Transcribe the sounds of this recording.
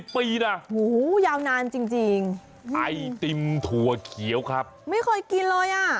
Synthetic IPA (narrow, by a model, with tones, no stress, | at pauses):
piː˧na˧˩huː˨˩˦jaː˧wnaː˧mt͡ɕi˧ŋt͡ɕi˧ŋ | ʔa˧jt̪i˧mt̪ʰu˨˧˩ɐkʰi˩˦wkʰɾa˦˥p̚ma˥˩jkʰɔ˥˩jki˧nlɤː˧jʔaː˧˩